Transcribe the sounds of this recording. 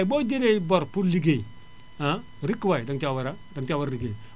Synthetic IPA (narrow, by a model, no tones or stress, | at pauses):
ibɔd͡ʒeɾebɔɾpuɾliɡe | a | ɾikːwajdaŋt͡ʃawaɾadaŋt͡ʃawaɾɾiɡe